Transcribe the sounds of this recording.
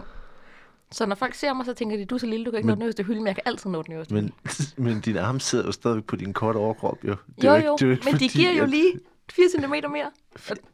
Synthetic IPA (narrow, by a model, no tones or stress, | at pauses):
sɒ̽nɒfɒl̰ɡ̥se̝ɐ̰mɑ̈ɪsɒ̽t͡sʰeŋɡ̥ɐd̥id̥usɒ̽liləd̥ukʰæe̥nɔ̽ːdenøsd̥eɦylmenjɑ̈ɪkʰæʔæl̰t͡sʰið̰ˠnɔ̽ːd̥enøɐsd̥menmend̥inɑ̈ːməse̝ð̰ˠɐjo̝sd̥ɛðˠʋeɡ̥̚pʰɒ̽d̥inkʰɒːɾ̥əɒʊɐkʰʁɒb̥jo̝d̥ejojo̰d̥eeɡ̥mend̥iɡ̥iɐ̰joliː | fiːɐsent͡sʰime̝̰ːd̥ɐme̝ɐ̰